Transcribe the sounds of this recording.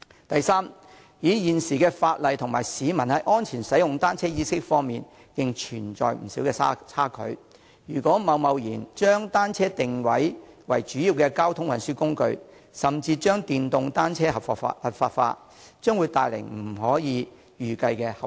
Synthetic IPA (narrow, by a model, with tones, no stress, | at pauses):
t̪ɐ˨jsaː˥m | jiː˨˥jiː˨nsiː˨kɛː˧faː˧t̚lɐ˨jt̪ʰʊ˨ŋmaː˨˩jsiː˨˦mɐ˨˩nhɐ˨˥jʔɔː˥nt͡sʰiː˨˩nsɐ˨˥jʊ˨ŋt̪aː˥nt͡sʰɛː˥jiː˥sɪ˥k̚fɔː˥ŋmiː˨n | kɪ˧ŋt͡ʃʰyː˨˩nt͡ʃɔ̰ː˨jm̩˨˩siː˨˥wkɛː˧˥t͡sʰaː˥kʰɵ̰˨˥ɥ | jyː˨˩kɔː˨˥mɐ˨˧wmɐ˨wjiː˨˩nt͡ʃœː˥ŋt̪aː˥nt͡sʰɛː˥t̪ɪ˨ŋwɐ˨˥jwɐ̰˨˩jt͡ʃyː˨˥jiː˨˧wkɛː˧kaː˥wt̪ʰʊ˥ŋwɐ˨nsyː˥kʊ˥ŋkɵ̰˧ɥ | sɐ˨˩mt͡siː˧t͡ʃœː˥ŋt̪iː˨nt̪ʊ˧ŋt̪aː˥nt͡sʰɛː˥hɐ˨pfɐ˨˩t̚faː˧t̚fa̰ː˧ | t͡ʃœː˥ŋwu˨˧jt̪aː˨˧jlɪ̰˨˩ŋm̩˨˩ɦɔː˨˥jiː˨˧˦ | jyː˨˧kɐ˧jkɛː˧hɐ˨